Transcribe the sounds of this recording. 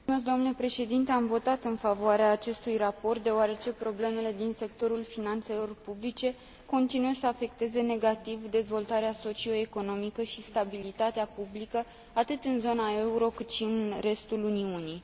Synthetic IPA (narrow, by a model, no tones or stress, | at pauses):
med̪omnule̞pɾe̞ʃe̞d̪int̪e̞amvo̞t̪at̪ɨnfavoaɾeaːt͡ʃe̞st̪ujrapo̞rt̪̚d̪e̞oaɾe̞t͡ʃe̞pɾo̞ble̞me̞le̞d̪inse̞k̚t̪o̞ɾulfinant̪se̞lo̞rpublit͡ʃe̞ | ko̞nt̪inujesəafe̞k̚t̪e̞ze̞ne̞ɡat̪ivd̪e̞zvo̞lt̪aɾeaso̞t͡ʃio̞eko̞no̞mikəʃist̪abilit̪at̪eapublikə | at̪ɨt̪ɨnzo̞nae̞uɾo̞kɨt̪ʃiɨnre̞st̪uluniunij